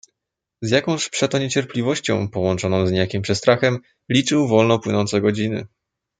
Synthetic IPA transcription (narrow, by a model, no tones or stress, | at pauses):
zjakɔ̃w̃ɕpʂɛt̪ɔɲet͡ɕɛɾplʲivɔɕt͡ɕɔ̰̃w̃pɔwɔnt͡ʂɔnɔ̃w̃zɲejakʲimpʂɛst̪ɾaxɛm | lʲit͡ʂɘwvɔlnɔpwɘnɔnt̪sɛɡɔd͡ʑinɘ̰